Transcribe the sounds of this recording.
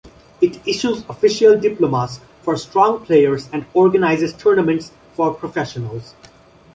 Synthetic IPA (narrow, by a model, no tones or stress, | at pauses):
ɪʈɪʃuzɔfɪʃiəlɖɪplomas | fɔɾsʈɾɔ̃ŋpʰleɪəɾzæ̃ɳɖɔːɾɡənaɪzɪzʈʰəɾnəmə̃ɳʈs | fɔɾpʰɾofɛʃənəlz